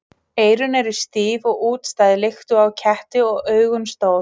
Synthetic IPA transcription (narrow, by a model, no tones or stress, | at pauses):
eːjɾʏnɛɾɪst̪iːvɔɣuːt̪st̪aːjðɪlext̪ʏawcʰɛht̪ɪɔɣœːɥɣʏnst̪oːw